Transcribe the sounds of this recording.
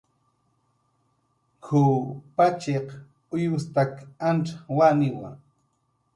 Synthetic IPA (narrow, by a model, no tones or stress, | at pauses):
kʰʊpat͡ʃeq | ʊjʊst̪akanʈ͡ʂawanɪwa̰ŋ